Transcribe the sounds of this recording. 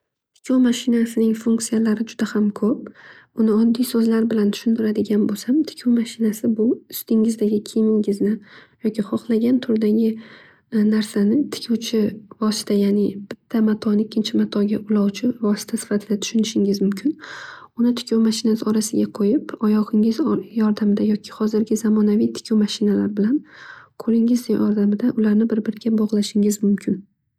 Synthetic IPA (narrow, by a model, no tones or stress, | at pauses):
tt̪ʰɪ̥kʲʰowmaʃɪnasɪnɪŋfuŋk̚tsijalaɾɪd͡ʒʊd̪̥ahamkʰɵp̚ | ʊnɪɒd̪ːijsɵzlaɾbɪlant̪ʰʊ̥ʃʊnt̪ɪɾad̪ɪɡʲanbosamt̪ʰɪ̥kʲʰowmaʃɪnasɪbʊʊst̪ɪŋɪzd̪aɡʲɪkʲʰijmɪŋɪznɪjɒkʲiχɒχlˠaɡʲant̪ʰʊɾd̪aɡʲɪ | naɾsanɪt̪ʰɪ̥kʲʰowt͡ʃʰɪvɒsɪ̥t̪ʰajaːnɪb̥ɪt̪ʰːamat̪ʰɒnɪɪkʲʰːɪnt͡ʃʰɪmat̪ʰɒɡʲaʔʊlˠɒwt͡ʃʰɪvɒsɪ̥t̪ʰasɪ̥fat̪ʰɪd̪at̪ʰʊ̥ʃʊnɪʃɪŋɪzmʊmkʲʰɪnʊnɪt̪ʰɪ̥kʲʰowmaʃɪnasɪɒɾasɪɡʲaqʰojɪpɒjɒʁɪŋɪzjɒɾd̪amɪd̪ajɒkʲʰɪ̥hɒzɪɾɡʲɪzamɒnavijt̪ʰɪ̥kʲʰowmaʃɪnalaɾbɪlanqʰoɾɪŋɪzjɒɾd̪amɪd̪aʔʊlaɾnɪbɪɾbɪɾɪɡʲabɒʁlˠaʃɪŋɪzmʊmkʲʰɪn